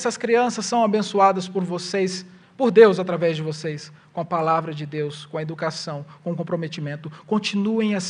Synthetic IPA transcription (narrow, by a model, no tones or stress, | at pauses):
sɐskɾiɐ̃sɐsːɐ̃w̃abẽsuad̪ɐspoɾvosejs | poɾd̪ewzat̪ɾavɛzd͡ʒɪvosejskõɐpalavɾɐd͡ʒɪd̪ewskõɐed̪ukasɐ̃w̃kõũkõpɾomet͡ʃimẽnt̪ʊkõnt͡ʃinuẽj̃ɐs